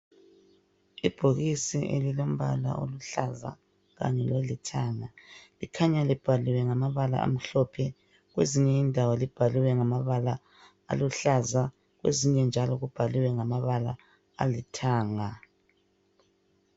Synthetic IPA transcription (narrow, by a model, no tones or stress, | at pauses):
ib̥ʱoɣisiʔḛlilom̩βala̰ʔo̰luɬaza̰ | ɣa̰ɲɛlwelitʰaːŋalikʰaɲalib̥ʱaliwɛŋamaβala̰ʔa̰m̩ɬɔpʰɛ | ɣweziɲɛindʱawɔlib̥ʱaliwɛŋamaβala | a̰luɬaza | ɣwḛziɲɛnd͡ʒʱalɔɣub̥ʱaliwɛŋamaβala̰ | a̰litʰaːŋa